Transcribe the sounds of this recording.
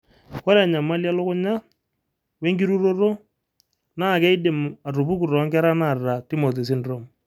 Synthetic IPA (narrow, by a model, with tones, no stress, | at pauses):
ɔ˦ɾa˨ɲa˨ma˦lja˦lʊ˦kʊ˦ɲa˦ | we˦ŋɡi˦ɾu˦ɾo˦ro˦ | na˦˨kɛ˦ɪ˦dɪ˨ma˨ru˨pu˦ku˨rɔ˨a˦ŋɡɛ˦ɾa˦na˨rra˨ti˦mo˨t̬e˨s̬ɪ˦nro˦˨m